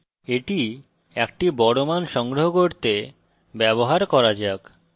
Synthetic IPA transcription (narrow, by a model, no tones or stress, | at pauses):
eʈi | ɛkʈibɔɽomanʃɔŋɡɾoɦokoɾt̪e | bɛboɦaɾkɔɾad͡ʑak